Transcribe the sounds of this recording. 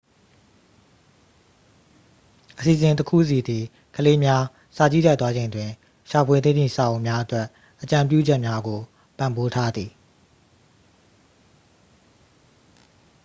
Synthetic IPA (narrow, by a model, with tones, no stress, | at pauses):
ʔəsi˨zɪ̃˨ntəkʰṵ˦˨s̬i˨d̪i˨ | kʰəle˦mja˦ | sa˨t͡ɕḭ˦˨ja˦ɪt̪wa˦d͡ʑẽ˨ɪ̃ndwɪ̃˨ | ʃa˨pʰwe˨d̪ẽ˦d̪ḭ˦˨sa˨ʔõ˨mja˦ʔətwɛ˦ʔ | ʔət͡ɕã˨mpjṵ˦˨d͡ʑɛ˦ʔmja˦ɡo˨ | pã̰˦˨mbo˦tʰa˦d̪ði˨